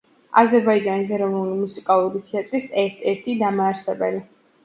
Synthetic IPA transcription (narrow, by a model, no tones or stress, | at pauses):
a̰zɛɾbaid͡ʒanis̬ɛɾɔvnulimusikʼalˠuɾit̪ʰɛat̪ʼɾisɛɾt̪ʰɛɾt̪ʰid̪amaːɾsɛbɛ̰li